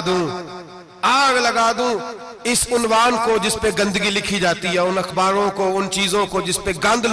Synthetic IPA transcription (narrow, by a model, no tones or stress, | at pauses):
d̪ũː | aːɡlɐɡaːd̪ũː | ɪsʊnwaːnkod͡ʒɪspeɡə̃nd̪ɡilɪkʰid͡ʒaːt̪iɦɛʊnɐxbaːɾõkoʊnt͡ʃiːzõkod͡ʒɪspeɡɐ̃nd̪